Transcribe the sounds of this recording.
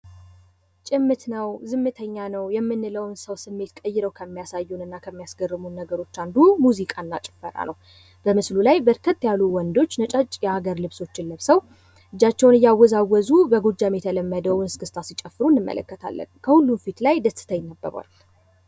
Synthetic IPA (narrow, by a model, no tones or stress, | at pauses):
t͡ʃʼɪmːɨt̪nəwzɨmːɨt̪ʰəɲːanəwjɛmːɨnːɨləwnsəwsɨmːe̞t̪kʼəjːɪɾəwkʰəmːijasajːunɨnːakʰəmːijasɡərːɨmunːəɡəɾo̞t͡ʃːand̪umuzikʼanːat͡ʃʼɪ̥fːəɾa̰nʔəw | b̥əmɨslulajbəɾkʰət̪ːjaluwɔnd̪o̞t͡ʃːnət͡ʃʼat͡ʃʼjɛaɡəɾlɨβso̞t͡ʃːɪnləβsəw | ʔɨd͡ʒːat͡ʃːɛwnɨjːawːɔzawːɔzubəɡod͡ʒamjɛt̪ʰələmːəd̪əwnɨskʰɨst̪ʰasit͡ʃʼɛfːɨɾunːɨmːə̰lʔə̰kːət̪ʰa̰lːə̰nkʰəhulːunfit̪lajd̪əsɨ̥t̪ʰəjɪnːəbːə̰ɾʷa̰l